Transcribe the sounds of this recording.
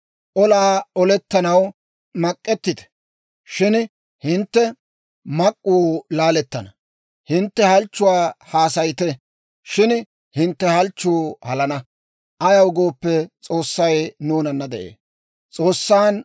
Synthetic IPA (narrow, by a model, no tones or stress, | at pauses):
ʔɔlaːɔlɛt̪ːɐnɐw | mɐkʼːɛt̪ːɪd̪ɛ̥ | ʃɪn | hɪnt̪ːɛ | mɐkʼːuːlaːlɛt̪ːɐnɐ | hɪnt̪ːɛhɐlt͡ʃːʊwaːhaːsɐjt̪ɛ | ʃɪn | hɪnt̪ːɛhɐlt͡ʃːuːhɐlɐnɐ | ʔɐjɐwɡoːpːɛt͡sʼoːsːɐjnuːnɐnːɐd̪ɛʔḛː | t͡sʼo̞ːsːaːn